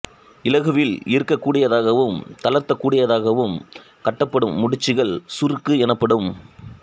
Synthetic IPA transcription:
ɪlɐɣɯʋɪlɪɾkːɐkːuːɽɪjɐðaːɣɐʋɯmt̪ɐlɐɾt̪ɐkːuːɽɪjɐðaːɣɐʋɯm | kɐʈːɐpːɐɽɯmːʊɽɪt͡ʃːɪɣɐɭsʊɾɯkːɯɛnɐpːɐɽɯm

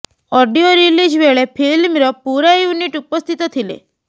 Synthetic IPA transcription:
ɔɖijoɾilid͡ʒbeɭepʰilmɾɔpuɾajuniʈupɔst̪ʰit̪ɔt̪ʰilḛ

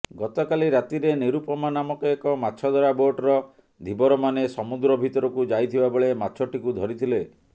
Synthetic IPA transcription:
ɡɔt̪ɔkaliɾat̪iɾeniɾupɔmanamɔkeekɔmatːt͡ʃʰɔd̪ʱɔɾaboʈɾɔ | d̪ʱibɔɾɔmanesɔmud̪ɾɔbʱit̪ɔɾɔkud͡ʒajt̪ʰibabɔɭematːt͡ʃʰɔʈikud̪ʱɔɾit̪ʰile

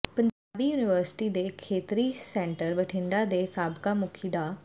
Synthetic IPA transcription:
pəɲd͡ʒaːbiːjuːnɪʋəɾsɪ̥ʈiːd̪eːkʰeːt̪ɾiːsɛ̃ːɳʈəɾbəʈʰɪ̃ɳɖaːd̪eːsaːbkaːmʊkʰiːɖ̪aː

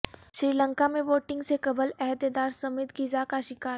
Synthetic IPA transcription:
ʃɾiːlə̃ŋkamẽʋoːʈɪ̃ŋɡsekɐbəlɛɦd̪ed̪aːɾsɐmɪt̪ɡizakaʃɪkaːɾ

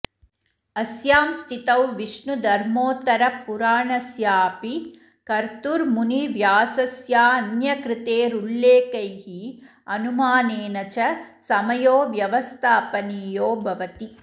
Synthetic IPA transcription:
ɐsjaːmst̪ʰit̪ɐwʋiʂɳud̪ʱɐɾmoːt̪ɐɾɐpuɾaːɳɐsjaːɐpi | kɐɾt̪uɾmuniʋjaːsɐsjaːɐnjɐkɾɪt̪eːɾuɭlːeːkɐjɦi | ɐnumaːneːnɐt͡ʃɐsɐmɐjoːʋjɐʋɐst̪ʰaːpɐniːjoːbʱɐʋɐt̪i

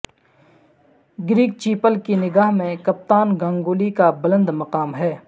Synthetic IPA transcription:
ɡɾiːk̚t͡ʃiːpəlkinɪɡaːɦmẽkɐp̚t̪aːnɡãːŋɡoːlikabɐlə̃nd̪mɐqaːmɦɛː

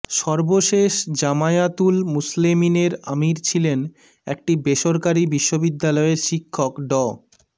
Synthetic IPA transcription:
ʃɔɾboʃeʃd͡ʑamajat̪ulmuslemineɾamiɾt͡ɕʰilen | ɛk̚ʈibeʃoɾkaɾibiʃːobid̪ːalɔeɾʃikʰːokɖɔ

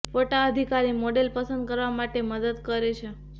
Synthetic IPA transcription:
foʈaəd̪ʱikaɾimoɖelpəsənd̪̚kəɾʋamaʈeməd̪əd̪kəɾet͡ʃʰe

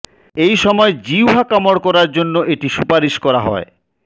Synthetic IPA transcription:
ejʃɔmɔed͡ʑiwɦakɔmoɽkɔɾaɾd͡ʑonːoʔeʈiʃupaɾiʃkɔɾaɦɔ̰e

